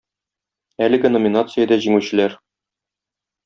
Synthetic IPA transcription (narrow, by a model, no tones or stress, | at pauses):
ælɘ̆ɡɘnomʲinat̪sɨjəd̪æʑiŋʉɕɘ̆læɾ